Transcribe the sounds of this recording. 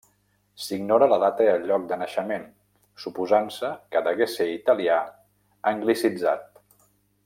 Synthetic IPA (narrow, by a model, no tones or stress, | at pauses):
siɡnɔɾələðat̪əjəʎːɔk̚d̪ənəʃəmen | supuzansəkəd̪əɣeseit̪əlia | əŋɡlisid͡za̰t̪̚